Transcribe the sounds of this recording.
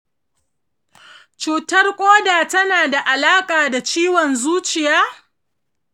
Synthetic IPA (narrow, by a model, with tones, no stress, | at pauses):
t͡ʃuː˨tɐ˦rkʷʼoː˦daː˨tɐ˦naː˨da˨ʔa˨laː˦kʼaː˨da˨t͡ʃiː˦wɔ˨nzuː˦t͡ʃɪ˨jaː˦